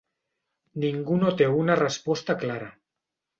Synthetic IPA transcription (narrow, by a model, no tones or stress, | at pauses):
niŋɡunot̪eunarəspɔst̪aklaɾa